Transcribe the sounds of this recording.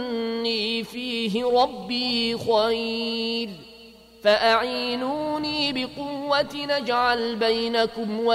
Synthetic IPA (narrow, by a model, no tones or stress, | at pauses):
nːiːfiːɦɪɾˤɑbːiːxajl | faʔaʕiːnuːniːbɪqʊwːat̪nad͡ʒʕalbajnakʊmwa